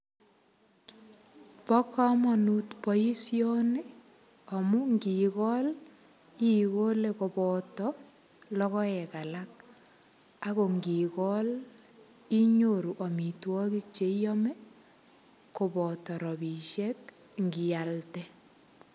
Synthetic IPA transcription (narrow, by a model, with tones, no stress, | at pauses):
pɔ˦kɔ˦mɔ˨nutpɔ˦ji˦sjo˦ni˦ | ɔ˨mu˦ŋɡi˨kɔ˦l | i˦ko˦le˦ko˨pɔtɔ | lɔ˦kɔ˦jɛ˨ka˨lak̚ | a˦ko˨ŋɡi˨kɔ˦l | i˦ɲoɾu˨ʔɔ˨mi˨twɔ˦ki˦k̚t͡ʃe˦jɔ˦mɛ˦ | ko˨bɔ˨tɔ˨ɾɔ˨bi˨ʃe˦k | ŋɡi˨altɛ